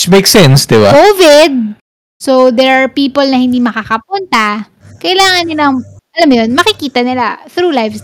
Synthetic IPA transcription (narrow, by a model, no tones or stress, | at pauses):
t͡ʃmejksɛnsd̪ɪba̰kovɪd̪̚ | sod̪ɛɹaɹpiːpolnɐhɪnd̪iːmɐkakɐp̚unt̪ɐ | kɐʔɪlaːŋɐnːɪlɐŋʔɐlamːʊjonmɐkɪkiːt̪ɐnɪlaθɾuːlajfs